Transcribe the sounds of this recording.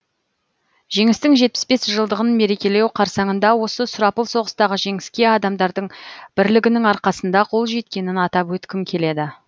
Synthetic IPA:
ʒ̥e̞ŋɪst̪ɪŋʒe̞t̪̚pɪ̥sbe̞sʒəlˠd̪əʁənme̞ɾe̞kʲe̞le̞wqʰɑɾsɑɴənd̪ɑwo̞səsʊɾɑpəlˠso̞ʁəst̪ɑʁəʒe̞ŋɪskʲe̞ɑd̪ɑmd̪ɑɾd̪əɴb̥ɪɾlɪɡʲɪnɪŋɑɾqɑsənd̪ɑqʰo̞lˠʒe̞t̪̚kʲe̞nɪnɑt̪ɑpwɵt̪kʲɪmkʲʰe̞le̞d̪ɪ

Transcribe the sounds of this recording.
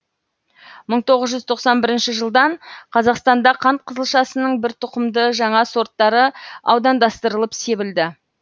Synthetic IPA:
məɴt̪ʰo̞ʁəzʒʏzt̪ʰo̞qsɑnbɪɾɪnʃɪʒəlˠd̪ɑɴqʰɑzɑqst̪ɑnd̪ɑqʰɑnt̪̚qʰəzəlˠʃɑsənəɴbɪɾt̪ʰʊqəmd̪əʒɑɴɑso̞ɾt̪ːɑɾəɑwd̪ɑnd̪ɑst̪əɾəlˠəpse̞bɪld̪ɪ

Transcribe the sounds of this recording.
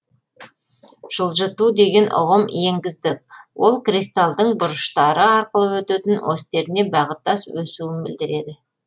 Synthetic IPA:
ʒ̥əlˠʒət̪ud̪e̞ɡʲe̞nʔʊ̰ʁəmje̞ŋɡʲɪzd̪ɪkwʔo̞lˠkrist̪alˠd̪əɴbʊɾəʃt̪ɑɾəɑɾqəlˠəwɵt̪et̪ɪnwʔost̪e̞ɾɪne̞bɑʁət̪ːɑswɵsuɪnbɪ̰ld̪ɪɾe̞d̪ɪ

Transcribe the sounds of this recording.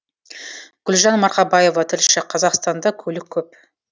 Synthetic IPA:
ɡ̥ʲʏlʒɑnmɑɾqɑbɑje̞vɑt̪ʰɪɾʃʃɪqʰɑzɑqst̪ɑnd̪ɑkʲʰɵlɪkʲʰːɵp

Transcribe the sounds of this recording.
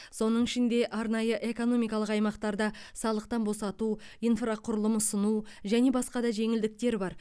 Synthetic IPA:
so̞nəɴɪʃɪnd̪e̞ʔɑɾnɑjəʔe̞ko̞no̞mijkɑlˠəqɑjmɑqt̪ɑɾd̪ɑsɑlˠəq̚t̪ɑnbo̞sɑt̪uijnfraqʰʊɾəlˠəmʊsənuʒæne̞bɑsqɑd̪ɑʒe̞ŋɪld̪ɪk̚t̪e̞ɾbɑɾ

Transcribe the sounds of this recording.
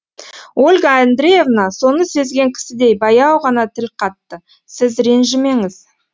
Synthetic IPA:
o̞lʲɡaand̪ɾʲeje̞vnɑso̞nəse̞zɡʲe̞ŋkʲʰɪ̥sɪd̪e̞jbɑjɑwʁɑnɑt̪ʰɪlqʰɑt̪ːə | sɪzɾe̞nʒɪme̞ŋɪz̥

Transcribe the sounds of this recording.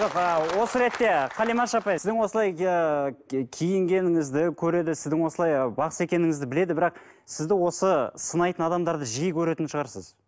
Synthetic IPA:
ʒoqəwo̞səɾe̞t̪ːe̞qʰɑlijmɑnʃɑpɑjɪzd̪ɪŋwo̞səlˠɑj | kʲʰijɪŋɡʲe̞nɪŋɪzd̪ɪkʲʰɵɾe̞d̪ɪsɪzd̪ɪŋwo̞səlˠɑjbɑqə̥se̞kʲe̞nɪŋɪzd̪ɪbɪle̞d̪ɪbɪɾɑq̚ | sɪzd̪ɪwo̞səsənɑjt̪ənɑd̪ɑmd̪ɑɾd̪əʒijkʲʰɵɾe̞t̪ɪnʃəʁɑɾsə̰z̥

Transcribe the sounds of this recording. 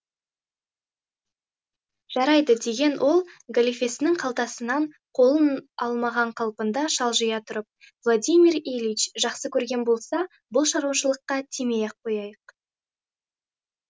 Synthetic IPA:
ʒ̥ɑɾɑjd̪əd̪e̞ɡʲe̞nwʔo̞lˠɡalʲifʲe̞sɪnɪŋqʰɑlˠt̪ɑsənɑɴ | qʰo̞lˠənɑlˠmɑʁɑɴqʰɑlˠpənd̪ɑʃɑlˠʒəjɑt̪ʰʊɾəp̚ | vlˠod̪ʲijmʲiɾelʲvit͡ʃʒɑqsəkʲʰɵɾɡʲe̞nbo̞lˠsɑ | bʊlˠʃɑɾwɑʃəlˠəqːɑt̪ʰemejɑq̚ʰːo̞jɑjəq

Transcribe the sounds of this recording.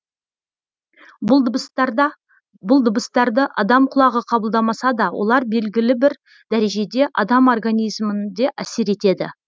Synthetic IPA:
bʊlˠd̪ʊbəst̪ɑɾd̪əʔɑd̪ɑmqʰʊlˠɑʁəqʰɑbəlˠd̪ɑmɑsɑd̪ɑwo̞̰lˠɑɾbe̞lɡʲɪlɪbɪɾ | d̪̥æɾe̞ʒe̞d̪e̞ʔɑd̪ɑmorɡanʲijzmɪnd̪e̞ʔæse̞ɾe̞t̪e̞d̪ɪ̰

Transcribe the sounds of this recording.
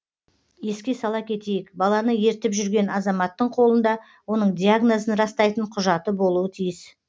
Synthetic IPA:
je̞skʲe̞sɑlˠɑkʲʰe̞t̪e̞jɪkbɑlˠɑnəje̞ɾt̪ɪpʒʏɾɡʲe̞nɑzɑmɑt̪ːəɴqʰo̞lˠənd̪ɑ | wo̞nəɴd̪ijaɡnozənɾɑst̪ɑjt̪əɴqʰʊʒɑt̪əbo̞lˠuwət̪ʰijɪs

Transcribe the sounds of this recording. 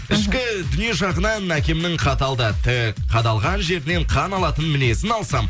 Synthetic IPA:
ɪʃkʲɪd̪ʏnije̞ʒɑʁənɑnækʲe̞mɪnɪŋqʰɑt̪ɑlˠd̪ət̪ʰɪkqʰɑd̪ɑlˠʁɑnʒe̞ɾɪne̞ɴqʰɑnɑlˠɑt̪ənmɪne̞sɪnɑlˠsɑm

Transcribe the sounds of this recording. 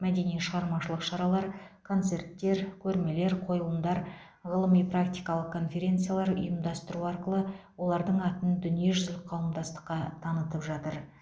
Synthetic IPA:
mæd̪e̞nijʃəʁɑɾmɑʃəlˠəqʃɑɾɑlˠɑɾkʰont̪se̞rt̪ːe̞ɾkʲʰɵɾme̞le̞ɾqʰo̞jlˠəmd̪ɑɾ | ʁəlˠəmijprak̚t̪ijkɑlˠəq̚kʰːo̞nfʲe̞ɾʲe̞nt̪sɨjalˠɑɾʊ̰jəmd̪ɑst̪əɾuɑɾqəlˠəwo̞lˠɑɾd̪əɴɑt̪ənd̪ʏnije̞ʒʏzɪlɪqʰɑwəmd̪ɑst̪ə̥qːɑt̪ʰɑnət̪əpʒɑt̪əɾ

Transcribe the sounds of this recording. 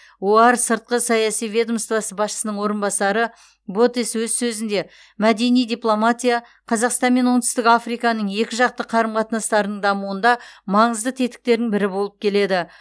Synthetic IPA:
oɑɾsəɾt̪̚qəsɑjɑsijvʲe̞d̪əmst̪vɑsəbɑsʃə̥sənəɴwo̞ɾənbɑsɑɾə | bo̞t̪eswɵzsɵzɪnd̪e̞ | mæd̪e̞nijd̪ijplˠo̞mat̪ʲija | qʰɑzɑqst̪ɑnme̞nwont̪ɪst̪ɪkɑfrijkɑnəɴje̞kʲɪʒɑq̚t̪əqʰɑɾəmqʰɑt̪ənɑst̪ɑɾənəɴd̪ɑmuənd̪ɑmɑɴəzd̪ət̪ʰe̞t̪ɪ̥k̚t̪e̞ɾd̪ɪŋbɪɾɪbo̞lˠəp̚kʲʰe̞le̞d̪ɪ

